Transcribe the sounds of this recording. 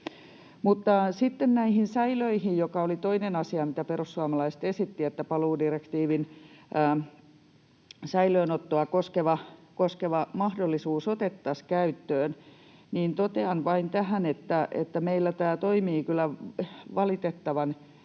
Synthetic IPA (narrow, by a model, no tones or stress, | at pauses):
mut̪ːɑsit̪ːennæihinsæiløihijjokɑolit̪oinenɑsiɑmit̪æperusːuɑmɑlɑist̪esit̪ːiet̪ːæpɑluːdirekt̪iːʋinʔː | sæiløːnot̪ːoɑkoskeʋɑkoskeʋɑmɑhdolːisuːsot̪et̪ːɑskæyt̪ːøːn | niːnt̪ot̪eɑnʋɑint̪æhænet̪ːæʔḛt̪ːæmeilːæt̪æːt̪oimiːkylˑæʋɑlit̪et̪ːɑʋɑn